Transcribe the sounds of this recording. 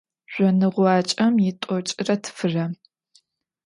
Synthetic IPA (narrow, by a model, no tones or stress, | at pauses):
ʒ̥ʷɔnɨʁʷɑːt͡ʃʼɐmjɪtʷʼɔt͡ʃʼɪrɐtʰɨ̥fɨrɐ